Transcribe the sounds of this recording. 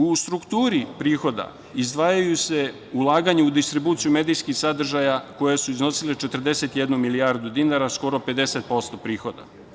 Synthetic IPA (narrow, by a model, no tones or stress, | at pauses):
ust̪ɾukt̪uːɾipɾiːxo̞d̪a̰ | izd̪ʋaːjajuse̞ | ulˠaːɡaɲeud̪ist̪ɾibuːt̪sijumed̪ijskixsad̪r̩ʒajako̞jesuizno̞silet͡ʃet̪r̩d̪e̞se̞t̪jed̪numilijaɾd̪ud̪inaɾasko̞ɾo̞pe̞d̪e̞set̪̚po̞st̪o̞pɾiːxo̞d̪a̰